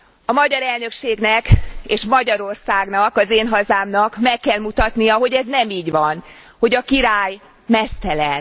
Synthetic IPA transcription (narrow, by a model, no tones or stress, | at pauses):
ɒmɒɟɒɾɛlnøkʃeːɡnɛkeːʃmɒɟɒɾo̞rsaːɡnɒkɒzeːnɦɒzaːmnɒkmɛkːɛlmut̪ɒt̪nijɒɦo̞ɟɛznɛmiːɟʋɒn | ho̞ɟɒkiɾaːj | mɛst̪ɛlɛn